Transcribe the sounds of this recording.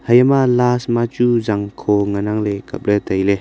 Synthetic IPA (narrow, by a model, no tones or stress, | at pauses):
hajamalasmat͡ʃuzaŋkʰɔŋanaŋlekap̚let̪ajle